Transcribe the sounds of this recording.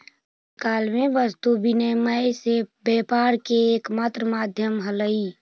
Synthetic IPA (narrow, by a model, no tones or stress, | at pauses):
kalmeʋəst̪ubineməjsebɛpaɾkeːkmat̪ɾəmad̪ʱjəmɦələi